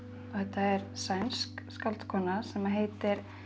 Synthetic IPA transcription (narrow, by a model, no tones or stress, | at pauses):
ɔθɛt̪ːaɛɾsajnskskalt̪kʰɔːnasɛmaɦeːjt̪ɪɾ̥